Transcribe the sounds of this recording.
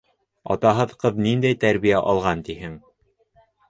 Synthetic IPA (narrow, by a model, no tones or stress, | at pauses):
ɑ̰t̪ɑɦɤðqɤðnind̪æjt̪æɾβijæʔɒlˠʁɑnt̪ihɘŋ